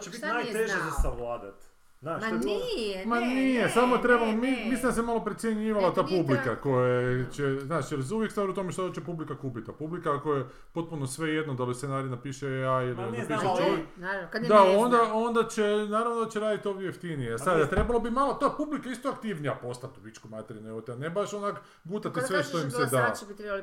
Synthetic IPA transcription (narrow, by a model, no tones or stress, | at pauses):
t͡ɕeit̪nat̪eʒezasaʋlaːd̪at̪ | zaːʃ | manijesamoet̪ɾe̞balomimislind̪as̬emalo̞pɾet̪sjeɲiːʋalat̪aːpublikako̞jat͡ɕeznaːʃjelzuʋjekst̪ʋaːɾut̪omeʃt̪ad̪t͡ɕepublikakuːpit̪ːapublikakoje | po̞t̪̚punosʋe̞jed̪nod̪alist̪enaːɾijenapiːʃeailinapiːʃʃat͡ʃoʋekdd̪ao̞nd̪ao̞nd̪at͡ɕenaːɾaʋnod̪at͡ɕeɾaːd̪it̪ioʋd̪ʲjejeft̪inijeasad̪at̪ɾe̞balobimalot̪oepublikaist̪oakt̪iʋnijapo̞st̪at̪ːuʋit͡ʃkomat̪eɾineot̪ianebaʃonak | ɡuːt̪at̪isʋeʃt̪oimsed̪at̪e